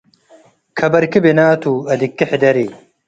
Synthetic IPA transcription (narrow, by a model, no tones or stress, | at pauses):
kʰɐbɐɾkibinaːt̪uːɐd̪ikːiħid̪ɐɾi